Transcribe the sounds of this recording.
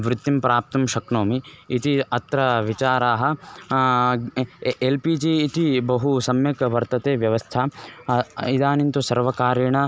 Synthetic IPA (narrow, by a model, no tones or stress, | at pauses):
ʋɾut̪ːimpɾaːp̚t̪ɐmʃɐkɳoːmiːt̪iɐt̪ɾɐʋit͡ʃaːɾaːɦɐ̆ | elpiːd͡ʒiːt̪ibɐɦusɐmjɐkʋɐɾt̪ɐt̪eːʋjɐʋɐst̪ʰa | id̪aːnint̪usɐɾʋɐkaːɾjɐɳɐ